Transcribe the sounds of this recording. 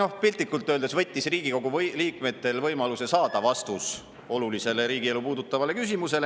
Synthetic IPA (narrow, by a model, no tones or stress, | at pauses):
o̞hpilʲt̪ːˑikːˑult̪ːˑøld̪esvɤ̞t̪ʲːisriːɡ̥iko̞ɡ̥uvliːkme̞t̪ːˑe̞lvɤjmɑluse̞sɑːd̪̥ɑvɑst̪us | o̞lulise̞le̞ɾiːɡ̥ie̞lupuːd̪̥ut̪ːˑɑvɑle̞kys̬imuse̞le̞